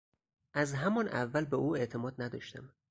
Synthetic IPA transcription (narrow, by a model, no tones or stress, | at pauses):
ʔæzɦæmɒnævːælbeʔuːe̞ʔt̪ʰemɒːd̪̚næd̪ɒːʃt̪æm